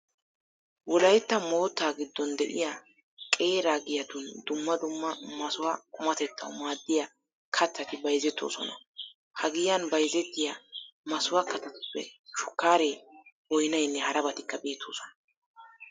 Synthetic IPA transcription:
wɔlɐjt̪ːɐmo̞ːt̪ːaːɡɪd̪ːɔnd̪ɛʔɪ̰ja | kʼe̞ːɾaːɡɪjɐd̪ʊnd̪ʊmːɐd̪ʊmːɐmɐsʊwakʼʊmɐt̪ɛt̪ːɐ̰wmaːd̪ːɪjɐ | kʰɐt̪ːɐt̪ɪbɐjzɛt̪ːo̞̰ːsɔ̰nɐ̰ | hɐɡɪjɐnbɐjzɛt̪ːɪjamɐsʊwakɐt̪ɐt̪ʊ̥pːɛ̰ʃʊ̥kːaːɾebɔjnɐjnːɛhɐɾɐbɐt̪ɪkːɐbe̞ːt̪ːoːsɔ̥nɐ

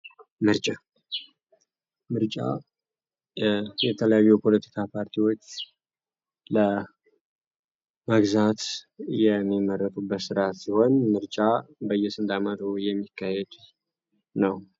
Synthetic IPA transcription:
mɨɾt͡ʃʼa | mɨɾt͡ʃʼa̰ | jɛt̪ʰələjajːupʰo̞lət̪ʰi̥kʰapʰaɾt̪ʰiwo̞t͡ʃː | lə | məɡzat̪jɛmːimərːət̪ʼubːət̪sɨɾat̪siho̞nmɨɾt͡ʃʼabəjɛsɨnd̪amət̪ujɛmːikʰːahed̪ | nəw

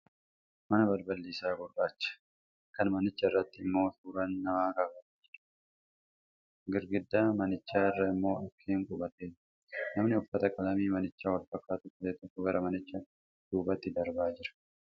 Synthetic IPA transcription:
mɐnɐbɐɾbɐlːiːsaːɡʊɾbaːt͡ʃːɐ̥ | kɐnmɐnɪt͡ʃːɐrːɐt̪ːɪːmːo̞ːsuːɾɐnːɐmaːkɐbɐt̪ːd͡ʒɪɾ | ɡɪɾɡɪd̪ːaːmɐnɪt͡ʃːaːɪrːɐɪmːo̞ːɐkʰːeːŋkʼʊbɐt̪eːn | nɐmnɪʊfːɐt̪ɐkʼɐlɐmiːmɐnɪt͡ʃːaːwɐlfɐkːaːt̪ʊkɐeːt̪ɔkːɔɡɐɾɐmɐnɪt͡ʃːɐ | d̪̥uːbɐt̪ːɪd̪ɐɾbaːd͡ʒɪɾɐ̥

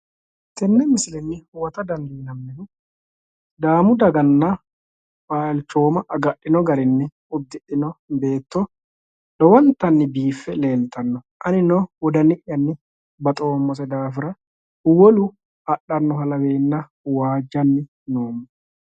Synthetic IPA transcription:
t̪ɛnːɛmɪsɪlɛnːɪwɐt̪ɐd̪ɐnd̪iːnɐmːɛd̪ʊ | d̪aːmʊd̪ɐɡɐnːɐ | baːlt͡ʃːo̞ːmɐʔɐɡɐʔːɪnɔɡɐɾɪnːɪ | ʊb̚d̪ɪʔɪnɔbe̞ːt̪ːɔ | ɗɔwɐnt̪ɐnːɪbiːfːɛle̞ːlt̪ɐnːɔ | ʔɐnɪnɔwɔd̪ɐnɪʔjːɐnːɪ | bɐt̪ʼo̞ːmːɔsɛd̪aːfɪɾɐ | wɔlʊ | ɐɗːɐnːɔhɐlɐbeːnːɐ | waːd͡ʒːɐnːɪ | noːmɐ

